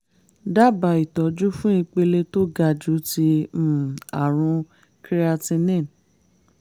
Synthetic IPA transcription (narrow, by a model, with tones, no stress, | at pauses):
da˦˨ba˨i˨tɔ˨˦d͡ʒu˦fũ˦i˧k͡pe˧le˧to˦ɡa˧˨d͡ʒu˨˦tĩ˧˦˨ | a˨ɾ̃ũ˧ | kɾi˦a˧tĩ˧nɛ̃˦˨n